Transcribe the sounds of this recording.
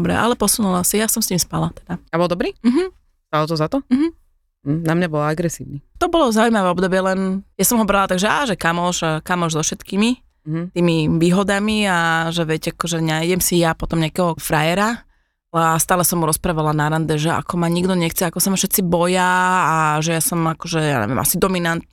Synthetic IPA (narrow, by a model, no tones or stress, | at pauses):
d̪ɔbɾɛ̰ʔa̰lɛpɔsunulasijasɔmsciːmspalat̪ɛ̥d̪aabɔld̪ɔbɾiːm̩ɦm̩ | st̪alɔt̪ɔzat̪ɔm̩ɦm̩ | namɲabɔlaaɡɾɛsḭːʋnit̪ɔbɔlɔzaujmaʋɛɔbd̪ɔbɪɛlɛnjasɔmɦɔbɾalat̪aɡʒɛʔaːʒɛkamɔʒakamɔʒzɔfʃɛt̪kiːmi | t̪iːmiʋiːɦɔd̪amiaʒɛʋɛcakɔʒɛnajɟɛmsijapɔt̪ɔmɲɪakɛɦɔfɾajɛɾa | alɛast̪aːlɛsɔmuɾɔspɾaːʋalanaɾand̪ɛʒɛa̰kɔmaɲiɡd̪ɔɲɛxt͡sɛakɔsamafʃɛt̪t͡sibɔjaː | ʒɛjasɔmakɔʒɛja̰ːɲɛ̰ʋiɛ̰mʔa̰sid̪ɔminant̪̚